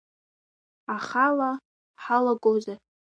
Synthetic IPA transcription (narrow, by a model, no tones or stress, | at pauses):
aχala | ħalaɡʼoza